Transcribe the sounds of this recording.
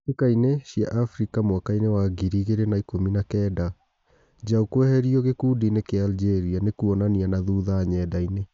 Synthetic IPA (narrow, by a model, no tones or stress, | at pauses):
ekaineɕiaʔafɾikamwakainewaɡiɾiɣeɾenaikominakɛda | d͡ʑaukwɛhɛɾiɔɣekudinekeald͡ʒeɾianekuɔnanianaðuðaɲɛdaine